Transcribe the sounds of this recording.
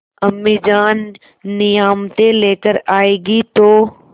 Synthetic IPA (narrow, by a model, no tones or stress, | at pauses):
əmid͡ʒaːnː | ɪjaːmt̪eleːkəɾaːeːɡit̪oː